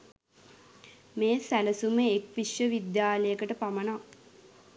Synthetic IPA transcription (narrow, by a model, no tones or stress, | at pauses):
meːsæləsuməekʋiʃjəʋid̪jaːləjəkəʈəpaməna